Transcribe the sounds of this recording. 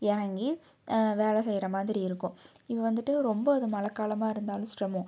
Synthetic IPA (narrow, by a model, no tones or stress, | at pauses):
jɛɾɐŋɡi | ʋeːɭɐsɛjɪɾɐmaːðɪɾiɪɾɯkːʊ̃ | ɪpːɐʋɐnd̪ɯʈːɯɾɔmbɐɐðɯmɐlɐkːaːlɐmaːɪɾɯnd̪aːlʊ̃sʈɾɐmʊ̃